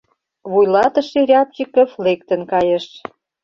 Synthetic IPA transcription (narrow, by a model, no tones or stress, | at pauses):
βujlɑt̪ə̆ʃeɾʲɑp̚t͡ɕikə̆flek̚t̪ə̆nkɑjə̆ʃ